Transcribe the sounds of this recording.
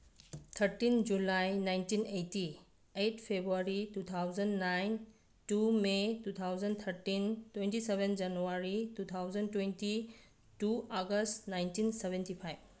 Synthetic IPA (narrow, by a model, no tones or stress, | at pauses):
t̪ʰəɾtind͡ʒulajnajntinejti | etʰpʰebɾuaɾitut̪ʰawzənnajn | tumetut̪ʰawd͡ʒənt̪ʰɐɾtintwentisebend͡ʒɐnuwaɾitut̪ʰawd͡ʒəntwenti | tuaɡəstnajntinsebʱentipʰajb̚